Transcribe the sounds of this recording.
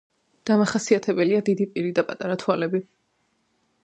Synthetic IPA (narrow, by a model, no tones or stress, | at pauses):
d̪̥amaχasiat̪ʰɛbɛliad̪id̪ipʼiɾid̪apʼat̪ʼaɾat̪ʰwalɛbi